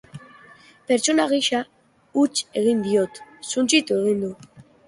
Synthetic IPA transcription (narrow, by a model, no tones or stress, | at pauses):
pe̞ɾt͡sonaɣ̞iʃa | ut͡ʃe̞ɣind̪io̞t̪sunt͡sit̪ue̞ɣind̪u